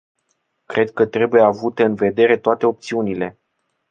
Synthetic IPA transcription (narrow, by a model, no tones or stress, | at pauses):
kɾe̞d̪̚kət̪ɾe̞buje̞avut̪e̞ɨnve̞d̪e̞ɾe̞t̪oat̪e̞op̚t̪siunile̞